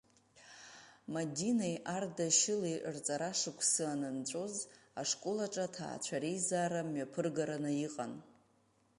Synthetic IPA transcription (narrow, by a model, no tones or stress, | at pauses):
madinejʔardaʃɪliʔrt͡sʼaɾaʂɨkʷʰsɨanɨnt͡ɕʷʼozaʂkʼolaʈ͡ʂʼatʰa̰ːt͡ɕʷʰaɾejzaːɾamɥapʰɨrɡaɾanɨiqʼa̰n